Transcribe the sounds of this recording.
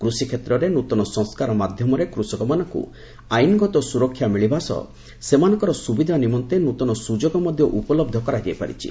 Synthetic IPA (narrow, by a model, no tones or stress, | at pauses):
kɾusikʰet̪ɾɔɾenut̪ɔnɔsɔ̃ŋskaɾɔmad̪ʱjɔmɔɾekɾusɔkɔmanɔŋkṵ | ajnɡɔt̪ɔsuɾɔkʰːjamiɭibʱasɔ̰ | semanɔ̃ŋkɔɾɔsubid̪ʱanimɔnt̪enut̪ɔnɔsud͡ʒoɡɔmɔd̪ʱjɔʔupɔlɔb̚d̪ʱɔkɔɾad͡ʒajpa̰ɾḭt͡ʃʰḭ